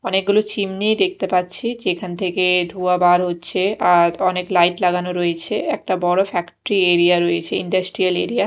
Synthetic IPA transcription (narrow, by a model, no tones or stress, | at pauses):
ɔnek̚ɡulot͡ɕimnid̪ek̚t̪epatːɕʰid͡ʑekʰant̪ʰeked̪ʱuabaɾɦotːɕʰeaɾɔneklajʈlaɡanoɾojet͡ɕʰeɛk̚ʈabɔɽofɛkʈoɾieɾiaɾojet͡ɕʰeiɳɖasʈɾialeɾia